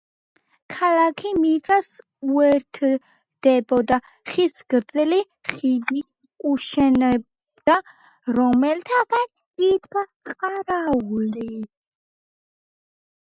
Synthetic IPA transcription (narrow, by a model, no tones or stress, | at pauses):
kʰalakʰimit̪sʼas | uɛɾt̪ʰ | d̪̥ɛbɔd̪a | χisɡɾd̪zɛli | χid̪i | kʼuʃɛnɛb | d̪̥a | ɾɔmɛlt̪ʰaɡan | it̪ɡa | qʼaɾauli